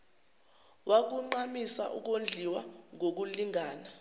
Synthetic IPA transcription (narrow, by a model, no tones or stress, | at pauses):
wʔak̬uŋ͡ǃamisa̰ʔuk̬ond͡ɮʱiwaŋok̬uliŋaːna